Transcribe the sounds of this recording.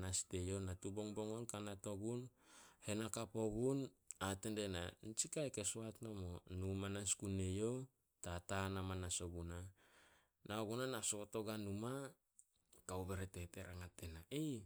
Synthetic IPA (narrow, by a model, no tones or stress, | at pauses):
naste̞jo̞natubo̞ŋbo̞ŋonkanato̞ɡunhe̞nakapo̞ɡunatendena̰nt͡ʃikajkesoatnomonumanaskune̞jo | tatanamanasoɡuna | naoɡunanasoto̞ɡanuma | kawbe̞ɾete̞te̞ɾaŋate̞naʔej